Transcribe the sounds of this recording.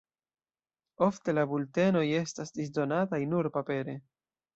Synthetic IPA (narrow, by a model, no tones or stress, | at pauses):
o̞fte̞labulte̞no̞je̞stasdis̬do̞natajnuɾpape̞ɾe̞